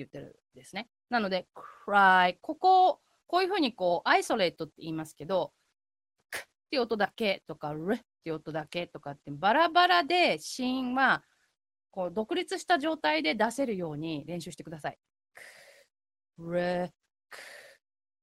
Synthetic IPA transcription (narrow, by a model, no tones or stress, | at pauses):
ejɯ̟t̪ːe̞ɾɯ̟̰ | d̪e̞sɨne̞ | nano̞d̪e̞kɯɾaiko̞ko̞ | ko̞ːjɯ̟ɸɯ̟ːɲ̟iko̞ːʔaiso̞ɾe̞ːt̪o̞t̪ːe̞iːmasɨ̥ke̞d̪o̞ | kɯ̥t̪ːeiɯot̪od̪ake̞t̪o̞kaɾɯt̪ːeɯ̟ot̪o̞d̪ake̞t̪o̞kat̪ːeɯbaɾabaɾad̪e̞ɕĩβa | ko̞ːd̪o̞kɯ̟ɾʲit͡sɨɕi̥t̪aʑo̞ːt̪aid̪e̞d̪ase̞ɾɯ̟jo̞ːɲ̟iɾẽ̞ɕɨːɕi̥t̪ekɯd̪asai | k | ɾe | k